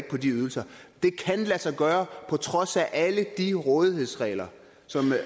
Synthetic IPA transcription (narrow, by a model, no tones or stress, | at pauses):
ɡ̥̚pʰɒ̽d̥iyð̞ˠl̩sɐd̥e̝kʰænlæsɑ̈ɪɡ̥ɶːɐpʰɒ̽t͡sʰʁɒ̽sæʔæləd̥iʁɔ̽ːð̞ˠihe̝ð̰ˠsʁɛ̰ːɪlɐ | sɒ̽m